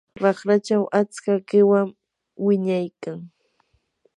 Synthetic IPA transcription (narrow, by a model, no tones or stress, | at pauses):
ɾɑχɾat͡ʃawʔat͡skakɪwam | wɪɲajkaŋ